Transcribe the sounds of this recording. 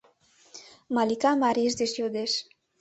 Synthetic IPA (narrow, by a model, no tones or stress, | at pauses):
malikamaɾiʃ̬d̪eʃjod̪eʃ